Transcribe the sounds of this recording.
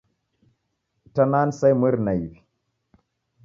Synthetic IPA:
tanansajməɾnajvi

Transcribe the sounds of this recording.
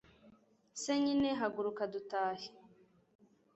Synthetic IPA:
seɲineɦaɡuɾukadutaːhi̥

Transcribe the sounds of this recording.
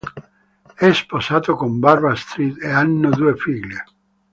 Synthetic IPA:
ɛsposaːt̪okombarbast̪ɾit̪eanːod̪uːefiʎːe

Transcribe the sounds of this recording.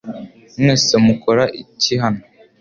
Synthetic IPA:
neːsemukoɾaʔiciɦano

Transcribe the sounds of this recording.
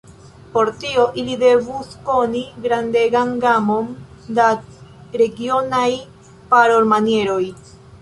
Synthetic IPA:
po̞ɾt̪io̞ʔilid̪e̞vusko̞niɡɾand̪e̞ɡanɡamo̞n | daɾe̞ɡio̞naj | paɾo̞ɾmanje̞ɾo̞j

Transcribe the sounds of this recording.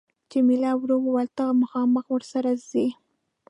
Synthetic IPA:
t͡ʃemɪlɑwɾowwalt̪aɣmaxɑməxwəɾsaɾazi

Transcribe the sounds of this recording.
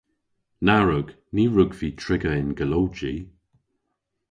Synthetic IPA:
naɹʊɡ | niːɹʊɡviːtʰɹɪɡəɪnɡəlowd͡ʒi

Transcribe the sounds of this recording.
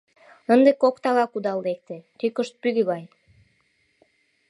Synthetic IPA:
ənd̪ekokt̪ɑɣɑkud̪ɑld̪ek̚t̪et̪ykəʃt̪̚pyɣøɣɑj

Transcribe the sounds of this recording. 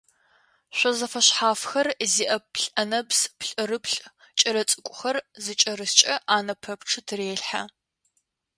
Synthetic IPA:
ɕʷɔzɐfɐɕħaːfxɐrziːʔɐpɬʼɐnɐbspɬʼɨrɨpɬʼ | t͡ʃʼɐɾɐt͡sʼɨkʷʼʊxɐrzɨt͡ʃʼɐɾɨst͡ʃʼɐʔaːnɐpʰɐpʈ͡ʂʰɨtʰɨreːɬħa̰

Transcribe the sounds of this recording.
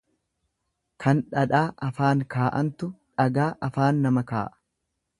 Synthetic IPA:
kʰɐnᶑɐᶑaːʔɐfaːŋkaːʔɐnt̪ʊᶑɐɡaːʔɐfaːnːɐmɐka̰ːʔɐ̥

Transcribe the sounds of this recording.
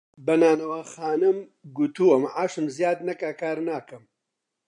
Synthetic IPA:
bɐnaːnɐwaːxaːnɨm | ɡut̪uwɐmʕaːʃɨmzjaːd̪nɐkaːkaːɾnaːkɐm

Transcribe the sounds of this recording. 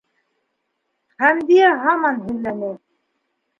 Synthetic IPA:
hæmd̪iæɦɑmɑnɦɘ̆lːænɘ

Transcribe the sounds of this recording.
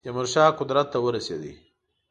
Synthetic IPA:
d̪emʊɾʃɑːqʊd̪ɾat̪ːawəɾased̪ḭ

